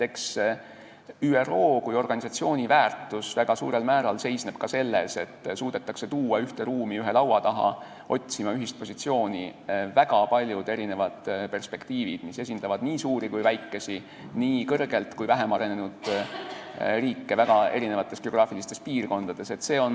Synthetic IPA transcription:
e̞ks | yːero̞ːkujo̞rɡ̥ɑnisɑt̪sio̞ːnʲivæːrt̪ːˑusvæɡ̥ɑsṵːɾe̞lmæːɾɑlse̞jsne̞b̥kɑse̞lːe̞̰se̞t̪ːsuːd̪̥e̞t̪ːˑɑkse̞t̪uːɑyht̪e̞ɾuːmiyɦe̞lɑwɑt̪ɑɦɑ̰ | ʔo̞̰t̪ʲsimɑyɦist̪̚po̞sit̪sio̞ːnʲivæɡ̥ɑpɑlʲjud̪̥e̞ɾine̞vɑd̪̥pe̞rspe̞kt̪iːvḭd̪̥mise̞sʲind̪̥ɑvɑd̪̥niːsuːɾikujvæjkːe̞si | niːkɤrɡ̥e̞lt̪kujvæɦemɑɾe̞nenud̪̥ | riːkːe̞væɡ̥ɑe̞̰ɾine̞vɑt̪ːˑe̞sɡ̥e̞o̞ɡ̥rɑːfilist̪e̞spiːrko̞nd̪̥ɑd̪̥e̞se̞t̪ːse̞ːo̞n

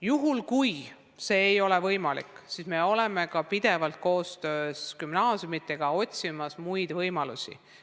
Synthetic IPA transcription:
juɦulkuj | se̞ːjo̞le̞vɤjmɑlḭkːˑsisme̞o̞le̞me̞kɑpid̪̥e̞vɑlt̪̚ko̞ːst̪øːskymnɑːsʲjumit̪ːˑe̞ɡ̥ɑo̞t̪ʲsimɑsmujd̪̥vɤjmɑlusḭ

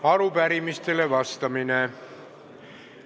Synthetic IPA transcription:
ɑrupæɾimist̪elːeʋɑst̪ɑmine

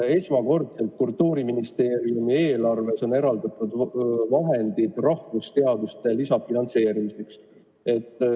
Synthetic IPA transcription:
e̞smɑko̞rt̪se̞lt̪̚kult̪ːˑuːɾiminist̪e̞ːɾiumie̞ːlɑrve̞so̞ne̞ɾɑld̪̥ɑt̪ːˑud̪vɑɦe̞nd̪̥id̪̥rɑhvust̪e̞ɑd̪ust̪e̞lisɑfinɑnt̪se̞ːɾimise̞ks | e̞t̪ːˑ

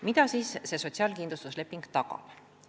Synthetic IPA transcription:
mid̪̥ɑsiːsse̞ːso̞t̪ʲsiɑːlkinlust̪usle̞pːˑiŋɡ̥t̪ɑɡ̥ɑ̰b̥

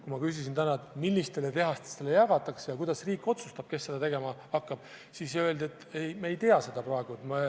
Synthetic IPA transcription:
kumɑkys̬isint̪ænɑet̪milːist̪e̞let̪e̞ɦɑst̪e̥st̪e̞lejɑɡ̥ɑt̪ːˑɑksejɑkujd̪̥ɑsriːkˑːo̞t̪su̥st̪ɑb̥ke̞sːe̞d̪ɑt̪e̞ɡe̞mɑ | ɑkːɑb̥̚ | sisøld̪e̞t̪ˑːejmeejt̪e̞ɑse̞d̪̥ɑpɾroe̞ɡ̥uet̪mɑ

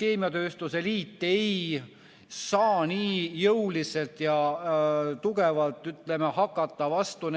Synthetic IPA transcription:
ke̞ːmiɑt̪ø̞ːst̪useliːt̪ːe̞j | sɑːniːjɤwlise̞lt̪jɑ | t̪uɡe̞vɑlt̪ːˑyt̪ːˑle̞mehɑkːˑɑt̪ːˑɑvɑst̪un

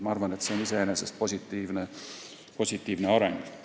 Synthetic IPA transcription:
mɑɑrvɑnet̪se̞nise̞enesest̪̚posʲit̪ːiːvne | po̞sʲit̪ːˑiːvne̞ɑɾḛŋɡ̥

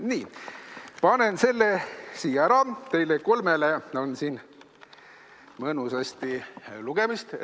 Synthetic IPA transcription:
niː | pɑne̞nse̞lːesiːjɑæɾɑt̪e̞jleko̞lmeleo̞nsiːn | mɤnusɑst̪iluɡ̥emist̪

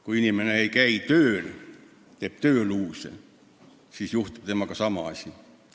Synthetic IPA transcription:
kuinimeneeikæit̪øːl | t̪eːpt̪øːluːsḛ | sisjuht̪u̥pt̪emːɑkɑsɑmɑɑsʲi

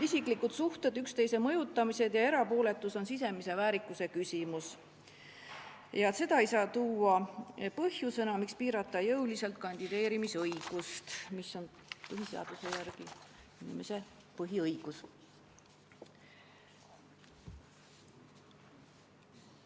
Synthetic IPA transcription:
isikˑlikut̪suht̪e̞d̪̥ykst̪e̞jse̞mɤjut̪ːˑɑmise̞d̪̥jɑe̞ɾɑpo̞ːle̞t̪ːˑuso̞nsis̬e̞mise̞væːɾikːˑuse̞kysʲimus | jɑse̞d̪ɑejsɑːt̪uːɑpɤhjusɤnɑmikspiːɾɑt̪ːˑɑjɤwlise̞lt̪̚kɑnʲd̪̥id̪e̞ːɾimisɤjɡ̥ust̪miso̞n | pɤɦiseɑ̰d̪̥use̞jærɡ̥i | inime̞se̞ | pɤɦiɤjɡ̥us

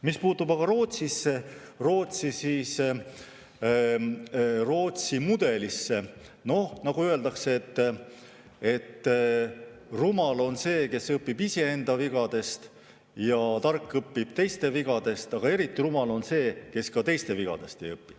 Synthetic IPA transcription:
mispuːt̪ːubɑɡ̥ɑɾo̞ːt̪sisːe | ro̞ːt̪sisiːs | ro̞ːt̪simud̪̥e̞lisːe | no̞hnɑɡuøe̞ld̪ɑkseet̪ːˑ | e̞t̪ː | rumɑlo̞nse̞ːke̞sɤpːibise̞end̪̥ɑviɡ̥ɑd̪̥e̞st̪ | jɑt̪ɑrkːˑɤpːib̥̚t̪e̞jst̪e̞viɡ̥ɑd̪̥e̞st̪ɑɡ̥ɑe̞ɾit̪ːˑirumɑlo̞nse̞ːke̞skɑt̪e̞jst̪e̞viɡ̥ɑ̰d̪̥e̞st̪ejɤpːi̥

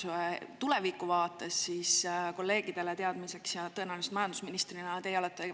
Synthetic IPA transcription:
t̪ule̞vikuvɑːt̪ːˑesːisko̞lːe̞ːɡ̥id̪̥e̞let̪e̞ɑd̪̥mise̞ksjɑt̪ɤ̞enæwlise̥t̪mɑjɑnd̪usminist̪rinɑt̪e̞jɑlet̪ːˑe

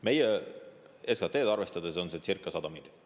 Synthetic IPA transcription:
me̞je | eskɑt̪ːˑeːd̪ɑrve̞st̪ɑd̪eso̞nsesirkːˑɑsɑd̪̥ɑmid̪

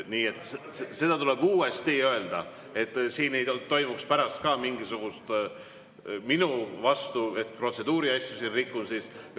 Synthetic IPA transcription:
niːe̞t̪ːˑs | se̞d̪ɑt̪ule̞b̥uːe̞st̪iø̞e̞ld̪ɑ̰ | e̞t̪ːˑsiːnej̪ot̪o̞jmukspæɾɑst̪kɑːmiŋɡisuɡ̥ust̪ | minuvɑst̪ue̞t̪̚pro̞t̪se̞d̪̥uːɾiɑjsʲjusinrikːunsis

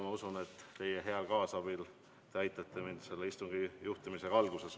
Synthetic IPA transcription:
mɑusunet̪ˑːe̞jeɦe̞ɑlkɑːsɑb̥il | t̪eɑjt̪ːˑɑt̪ːˑemind̪̥se̞lːeist̪uŋɡ̥ijuht̪imise̞ɑlɡuse̞s

